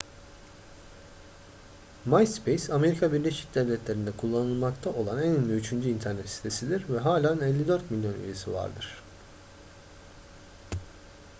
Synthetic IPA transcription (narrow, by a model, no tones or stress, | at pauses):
maj̪spʰejsame̞ɾikʰabiɾlʲeʃic̚d̪ɛvlʲɛt̪lʲe̞ɾind̪ɛkʰulˠːanɯlˠmakt̪ʰaʔo̞lˠanæninlʲyyt͡ʃʰynd͡ʒyint̪ʰæɾnɛt̪si̥t̪ʰe̞sid̪iɾvɛɦaːlʲanɛlʲːid̪ø̞ɾt̪milʲjo̞ny̰je̞siva̰ɾd̪ɯɾ̝̥